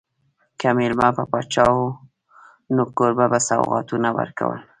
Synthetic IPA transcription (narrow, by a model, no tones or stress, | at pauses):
kamilmapəpɑt͡ʃɑwo | nokoɾbabasa̰wɣɑ̰t̪unawə̰ɾka̰wə̰l